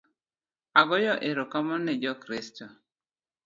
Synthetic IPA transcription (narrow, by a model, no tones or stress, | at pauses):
aɡɔjɔʔeɾokamɔnɛd͡ʒɔkɾisto